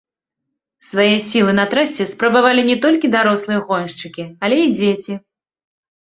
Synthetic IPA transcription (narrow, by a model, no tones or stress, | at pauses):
svajɛsʲilˠɨnɐt̪ɾasʲɛspɾɐbavalʲinʲɛt̪ɔlʲkʲid̪aɾɔslˠɨjɛɣɔnʂt͡ʂɨkʲialʲɛid͡zʲet͡sʲi